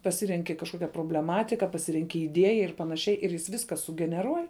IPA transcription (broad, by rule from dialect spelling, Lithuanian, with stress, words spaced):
pɐˈsʲɪrʲɛŋʲkʲɪ kɐʃˈkoːkʲɛ proːbʲlʲɛˈmɑːtʲɪkɐ pɐˈsʲɪrʲɛŋʲkʲɪ ɪˈdʲiɛjɛ ɪr pɐnɐˈʃʲɛɪ ɪr jɪs ˈʋʲɪskɐ sʊɡʲɛnʲɛˈruɔj